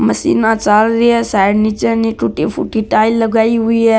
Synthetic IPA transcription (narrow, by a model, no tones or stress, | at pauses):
məsḭːnaːt͡ʃalɾiɦɛsaɽnit͡ʃəɾniʈ̪ʰuːʈifʰṵʈiʈaːilːəɡaːiɦʊiɛ